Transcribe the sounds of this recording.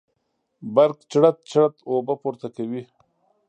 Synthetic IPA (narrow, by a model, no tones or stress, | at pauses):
baɾqt͡ʃɽat̪̚t͡ʃɽat̪obapuɾt̪akawi